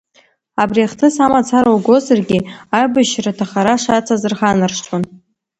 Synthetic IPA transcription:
abriaχtʰɨsamat͡sʰaɾawɡʷozarɡʲiajbɨʃratʰaχaɾaʂat͡sʰazɨrχanɨrʂt͡ʃʼʰan

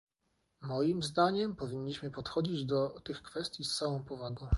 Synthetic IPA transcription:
mɔjimzd̪aɲɛmpɔvʲiɲːiɕmɘpɔt̪xɔd͡ʑid͡ʑd̪ɔt̪ɘxkfɛst̪ʲjist̪sawɔ̃w̃pɔvaɡɔ̃w̃

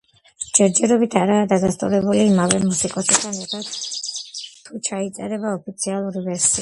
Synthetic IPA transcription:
d͡ʒ̥ɛɾd͡ʒɛɾɔbit̪ʰaɾaːd̪ad̪ast̪ʼṵɾɛbuliːmavɛmusikʼɔsɛ̥t̪ʰanɛɾt̪ʰat̪ | t̪ʰːut͡ʃʰait̪sʼɛɾɛbaɔpʰit̪sʰialˠuɾivɛɾsia

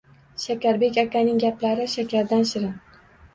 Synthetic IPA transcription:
ʃakʲaɾbe̞kʲakʲanɪŋɡʲaplaɾɪʃakʲʰaɾd̪anʃɪɾɪn

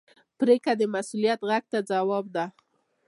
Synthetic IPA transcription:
pɾekad̪əmasulijat̪ɣaɡ̚t̪ad͡zawɑb̚d̪a

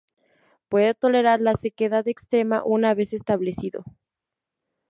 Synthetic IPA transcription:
pwe̞ðet̪o̞le̞ɾaɾlase̞keðaðekst̪ɾe̞ma̰ʔunaβe̞sest̪aβle̞siðo̞̰

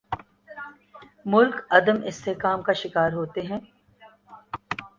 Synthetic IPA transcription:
mʊlkɐd̪əmɪst̪ʰeɦkaːmkaʃɪkaːɾɦoːt̪eɦɛ̃ː

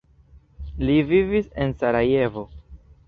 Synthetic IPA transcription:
livivise̞nsaɾaje̞vo̞

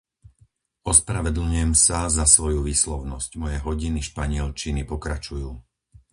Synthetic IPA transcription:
ʔɔspɾaʋɛd̪l̩ɲujɛmsazasʋɔjuʋiːslɔʊnɔscmɔjɛɦɔɟiniʃpaɲɪɛlt͡ʃinipɔkɾat͡ʃujuː

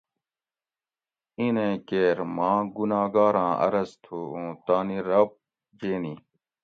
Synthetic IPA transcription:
inẽːkeːɾmãːɡunaːɡaːɾãːɐ̰ɾɐst̪ʰuːũːt̪aːniɾɐb̚ | d͡ʑeːniː

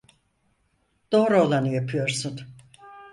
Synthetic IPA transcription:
d̪̥oːɾolˠanɯjapʰɯjo̞ɾsun

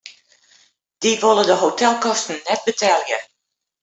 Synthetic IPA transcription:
d̥iʋolˠədəɦotʰɛlˠkɔstn̩ːɛt̚bətʰɛljə

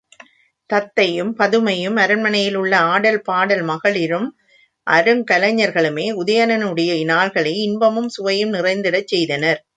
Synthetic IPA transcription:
t̪ɐt̪ːɐjɯmpɐðɯmɐjɯmɐɾɐnmɐnɐjɪlʊɭːɐaːɽɐlpaːɽɐlmɐɣɐɭɪɾɯm | ʔɐɾɯŋkɐlɐɲːɐɾɣɐɭɯmeːʊðɐjɐnɐnɯɽɐjɐɪnaːɭɣɐɭɐɪɪnbɐmɯmsʊʋɐjɯmnɪrɐɪnd̪ɪɽɐt͡ʃːɛjðɐnɐɾ

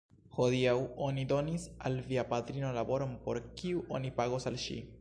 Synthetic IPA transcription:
ho̞diawo̞nido̞nisa̰lviapat̪ɾino̞labo̞ɾo̞npo̞̰ɾkiuʔo̞nipaɡo̞salʃḭ

